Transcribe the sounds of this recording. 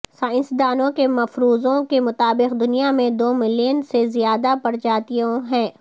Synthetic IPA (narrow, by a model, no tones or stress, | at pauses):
saːɪ̃nsd̪aːnõkemɐfɾuːzõkemʊt̪aːbɪqd̪ʊnijamẽd̪oːmɪliːnsezijaːd̪apɐɾt͡ʃaːt̪ijõɦɛ̃ː